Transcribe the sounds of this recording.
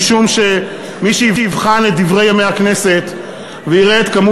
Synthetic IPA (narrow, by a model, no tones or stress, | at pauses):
ʃumʃe | miʃiiivχanet̪̚d̪ivʁe̞jamejakne̞se̞t̪ | veiʁeːt̪kamu